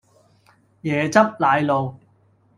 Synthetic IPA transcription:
jɛː˨˩t͡sɐ˥p̚laː˨˧jlo˨˧w

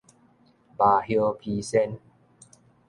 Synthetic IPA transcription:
baː˧ɦi˧pʰiː˧se˧n

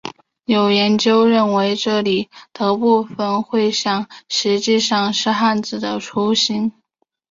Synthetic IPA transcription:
jo˨˩ʊjɛ˧˥nt͡ɕjo˥ʊɻə˥˩nwe˧˥ɪʈ͡ʂɤ˥˩li˨˩t̪ɤ˧˥pu˥˩˧fə˨˩nxwe˥˧ɪɕjɑ˥˩ŋʂɻ̩˧˥t͡ɕi˥˧ʂɑ˥˧ŋʂɻ̩˥˧xa˥˩nd͡zɹ̩˨˩d̪ə˦ʈ͡ʂʰu˧˥ɕi˧˥n

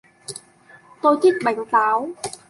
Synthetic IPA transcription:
t̪oː˧jt̪ʰi˦˥k̚ɓa˨˩˦jŋ̟t̪aː˨˦w

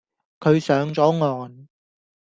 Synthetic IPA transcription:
kʰɵ˨˧ɥsœː˨˥ŋt͡sɔː˨˥ŋɔː˨n

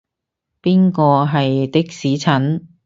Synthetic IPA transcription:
piː˥nkɔː˧ɦɐ˨jt̪ɪ˥k̚siː˨˥t͡sʰɐ˨˥n

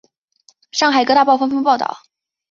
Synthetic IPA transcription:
ʂɑ˥˩ŋxa˨˩ɪkɤ˥t̪a˥˧pɑ˥ʊfɑ˥ŋfŋpɑ˥˧ʊt̪ɑ̰˥˩ʊ

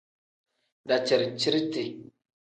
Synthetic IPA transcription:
da˨t͡ʃə˨ɾt͡ʃi˦ɾte˨

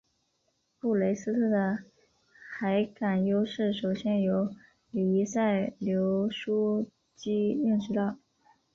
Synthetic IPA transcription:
pu˥˩le˧˥ɪsɹ̩˥t̪ʰɤ˥˩d̪ə˨ | xa˧˥ɪka˨˩njo˥ʊʂɻ̩˥˩ʂo˨˩ʊɕjɛ˥njo˧˥ʊ | ly˨˩i˧˥sa˥˩ɪljo˧˥ʊʂu˥ | t͡ɕi˥i˥˧nʂɻ̩˥lɑ˥˩

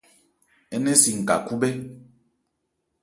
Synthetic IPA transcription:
ɛ˦nɛ˦si˨ŋ̩˨ka̰˨ku˦bɛ˦

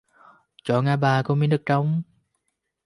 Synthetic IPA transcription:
t͡ɕɔ˧˩ŋaː˧˩ɓaː˨˩ko˧˦mi˧˦nɗɨ˨˩k̚t͡ɕa˧wŋ͡m

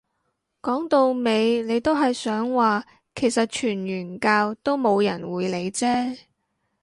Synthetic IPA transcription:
kɔː˨˥ŋt̪o˧wme˨˧jne˨˧jt̪o˥wɦɐ˨jsœː˨˥ŋwaː˨ | kʰe˨˩jsɐ˨t̚t͡ʃʰyː˨˩nɥyː˨˩nkaː˧wt̪o˥wmo˨˧wjɐ̰˨˩nwuː˨˧jle˨˧jt͡sɛː˥

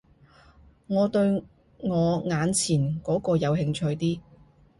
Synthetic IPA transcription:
ŋɔː˨˧t̪ɵ˧ɥ | ŋɔː˨˧ŋaː˨˧nt͡sʰiː˨˩nkɔː˨˥kɔː˧jɐ˨˧whɪ˧ŋt͡ʃʰɵ˧ɥt̪iː˥

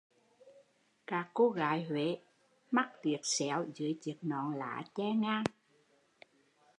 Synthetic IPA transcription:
kaː˦˥kːo˧ɣa̰ː˧˨jhwḛ˧˨˦ | ma˦˥k̚t̪wi˨˩ət̚sɛ̰˧˩wzɨ̰˧˦jt͡ɕɨ˨˩ək̚nɔ̰˧˨nla̰ː˧˨t͡ɕɛ˧ŋaː˧ŋ

